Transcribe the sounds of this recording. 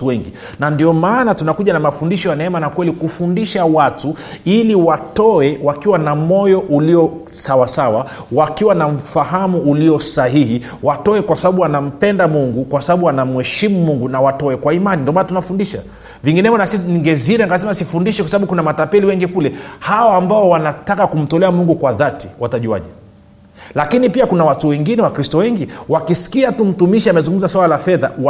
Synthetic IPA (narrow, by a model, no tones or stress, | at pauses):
uwɛŋɡi | nandiɔmaːnatunakuʄanamafundiʃɔjanɛɛmanakwɛlikufundiʃawatu | iliwatɔɛwakiwanamɔjɔʔuliɔsawasawa | wakiwanam̩faɦamuːliɔsaɦihi | watɔɛkwasaɓaɓuanam̩pɛndamuŋɡukwasaɓaɓuanam̩hɛʃimumuŋɡunawatɔɛkwaimanindiɔmanatunafundiʃa̰ | viŋɡinɛmɔnasiniŋɡɛziɾɛaŋɡasɛmasifundiʃɛkwasaɓaɓukunamatapɛliwɛŋɡikulɛhaɔambaɔwanatakakum̩tɔlɛamuŋɡukwaðatiwataʄua̰ʄɛ | lakinipiakunawatuwɛŋɡinɛwakɾistɔwɛŋɡiwakisi̥kiatum̩tumiʃiamɛzũŋɡum̩zaswalalafɛðaw